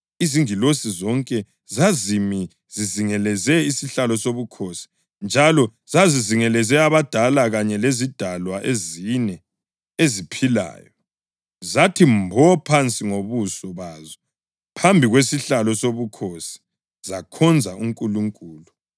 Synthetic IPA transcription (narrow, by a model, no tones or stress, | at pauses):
iziŋilosizɔŋkʼɛ | zazimi | ziziŋɛlɛzɛisiɬalɔsoβukʰosi̥ | nd͡ʒʱalɔ | z̥aziziŋɛlɛzɛaβad̥ʱalaɣaɲɛlezid̥ʱalwaʔezinɛ | ezipʰila̰ːjɔ | zatʰimbʱɔpʰant͡sʼiŋoβusɔβazɛ | pʰambʱiɣwesiɬalɔsoβukʰosi̥ | zakʰɔnd͡zʱauŋkʼuluŋkʼuːlu